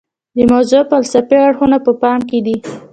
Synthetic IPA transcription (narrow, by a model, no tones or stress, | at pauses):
d̪əmawzopalsapeaɽxunapəpɑmked̪i